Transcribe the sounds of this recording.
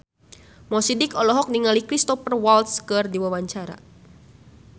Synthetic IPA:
mɔsidikɔlɔɦɔk̚niŋalikɾist̪ɔfərwalt̪skərdiwawaɲt͡ʃaɾa̰

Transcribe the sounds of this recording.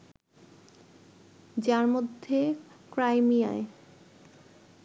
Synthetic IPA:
d͡ʑaɾmod̪ʱːekɾajmija̰e

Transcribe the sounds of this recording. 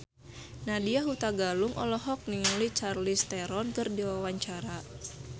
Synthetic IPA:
nadiaɦut̪aɡaluŋʔɔlɔɦɔk̚niŋulit͡ʃarlist̪ɛɾɔnkɨrdiwawaɲt͡ʃaɾa

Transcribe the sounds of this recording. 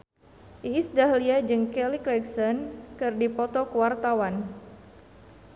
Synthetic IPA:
ʔiːsdaɦliad͡ʒɨŋkɛliklɛksɔnkɨrdipɔt̪ɔkuwart̪awan

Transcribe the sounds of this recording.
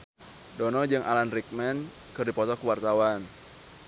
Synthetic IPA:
dɔnɔd͡ʒɨŋʔa̰lanrik̚mɛn | kɨrdipɔt̪ɔkuwart̪awan

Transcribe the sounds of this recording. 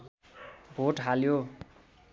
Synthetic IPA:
bʱoʈɦaljo

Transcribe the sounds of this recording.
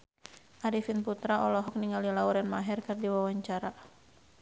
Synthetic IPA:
ʔaɾifinput̪ɾaɔlɔɦɔk̚niŋalilauɾɛnmaɦɛrkɨrdiwawaɲt͡ʃaɾa

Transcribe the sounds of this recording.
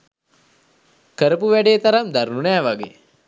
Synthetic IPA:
kəɾəpuʋæɖeːt̪aɾamd̪aɾnunɛːʋaɡḛː

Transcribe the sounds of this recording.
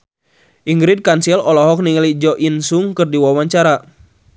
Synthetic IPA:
ʔiŋɡɾid̚kansilɔlɔɦɔk̚niŋlid͡ʒɔʔinsuŋkɨrdiwawaɲt͡ʃaɾa

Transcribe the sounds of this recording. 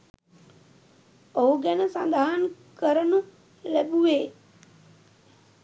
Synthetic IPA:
ouɡenəsãnd̪ʱaɦənkəɾənũ | lɐɓuʋeː

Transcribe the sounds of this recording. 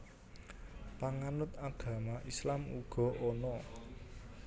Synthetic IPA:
paŋanʊt̪aɡ̥ä̤maʔislamṵɡ̥ɔ̤ʔonɔ

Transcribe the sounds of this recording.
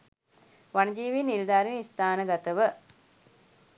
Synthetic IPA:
ʋanəd͡ʒiːʋiːnild̪aːɾinist̪aːnəɡat̪əʋə

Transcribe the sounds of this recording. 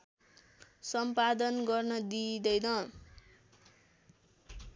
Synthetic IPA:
sʌmpad̪ʌnɡʌrnʌd̪id̪ʌjnʌ

